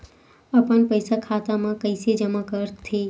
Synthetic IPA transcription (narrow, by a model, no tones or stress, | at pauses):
apəɳpəjsakʰat̪amãkəjsed͡ʒəmãkəɾt̪ʰi